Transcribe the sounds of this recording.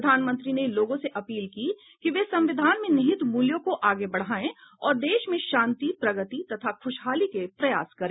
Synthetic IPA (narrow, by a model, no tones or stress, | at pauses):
d̪ʱaːnmə̃nt̪ɾineloːɡõseʔɐpiːlki | kiʋesɐ̃mʋɪd̪ʱaːnmẽnɪɦɪt̪muːljõkoʔaːɡebɐɽ̤aːẽɔːɾd̪eːʃmẽʃãːnt̪ipɾɐɡət̪it̪ɐt̪ʰakʰʊʃɦaːlikepɾɐja̰ːskɐɾẽː